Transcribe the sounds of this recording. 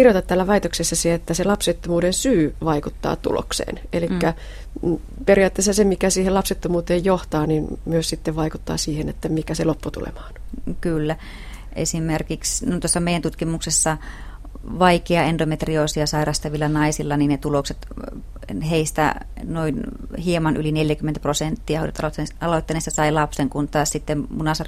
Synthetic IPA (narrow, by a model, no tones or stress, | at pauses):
kirjot̪ɑt̪t̪æːlːæʋɑit̪oksesːɑseet̪ːæselɑpset̪ːomuːdensyːʋɑikut̪ːɑ̰ːt̪ṵlo̰ksḛːnelikːæ | perijɑːt̪ːeːsːɑsemikæsiːhelɑpset̪ːomuːt̪eːjjoht̪ɑːninmyøssit̪ːeʋʋɑikut̪ːɑ̰ːsiːhenḛt̪ːæmikæselopːut̪ṵlḛmɑ̥ːnkylːæ | ʔḛsimerkiksnt̪uosːɑmeˑijˑænt̪ut̪kimuksesːɑ | ʋɑikeɑendomet̪riosiɑsɑirɑst̪ɑʋielːɑnɑisilːɑninnet̪ulokset̪ | heist̪æ̰ | noin | hiemɑnʔylineljækyment̪æprosent̪ːiɑhoiet̪ɑlot̪ːenesːɑsɑilɑpseŋkunt̪ɑːssit̪ːemmunɑsɑr